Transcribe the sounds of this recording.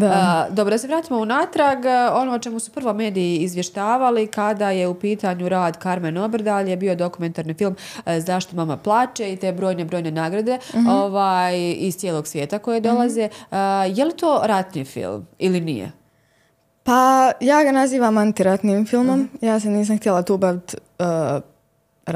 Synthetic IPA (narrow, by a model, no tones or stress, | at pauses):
d̪ad̪obɾo̞d̪ase̞ʋɾaːt̪iːmounaːt̪ɾaɡo̞not͡ʃe̞musu̥prʋo̞me̞ːd̪ijiːzʋjeʃt̪aːʋalikad̪aje̞upiːt̪aɲuɾaːd̪kaɾmeno̞bɾ̩d̪alje̞bio̞d̪o̞kume̞nt̪aːɾniːfilˠmzaːʃtt̪omamaplˠaːt͡ʃeit̪e̞ːbɾo̞ːjne̞bɾo̞ːjne̞naːɡɾad̪e̞oʋaːjizt̪ʲjeːlˠo̞ɡsʋje̞ːt̪ako̞jed̪o̞lˠaze̞jelit̪o̞ːɾat̪nḭːfḭlˠmilinḭjḛ | pajaːɡanaziːʋamant̪iɾat̪niːmfilˠmo̞mjaːs̬eniːs̬amxt̪ielˠat̪uːbaʋit̪ː | ɾ